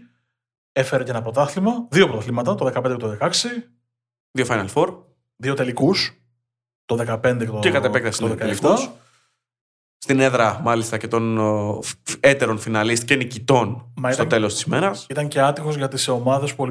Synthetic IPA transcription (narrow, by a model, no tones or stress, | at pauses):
e̞fe̞ɾeceenɐpɾo̞t̪ɐθlimɐðio̞pɾot̪ɐθlimɐt̪ɐt̪o̞ðe̞kɐpend̪eket̪oðekɐksi | ðiofɐjnɐlfo̞ɾ | ðiot̪e̞likus | t̪o̞ðe̞kɐpe̞nd̪ekt̪oekɐt̪epekt̪ɐsiðekɐelfkt̪uɐs | st̪ine̞ðɾɐmɐlist̪ɐce̞t̪o̞n | et̪e̞ɾo̞nfinɐlist̪cenicit̪o̞nmɐit̪ot̪e̞lo̞st̪i̥simeɾɐsit̪ɐɲce̞ɐt̪ixo̞zʝɐt̪iseomɐðe̞spuol